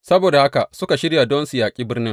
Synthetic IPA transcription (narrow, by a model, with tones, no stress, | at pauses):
sɐ˦boː˨da˨ha˦ka˨sʊ˦ka˨ʃɪ˦ɽja˨dɔ˦nsu˨jaː˨kʲʼiː˦bɪ˦rnɪ˦ŋ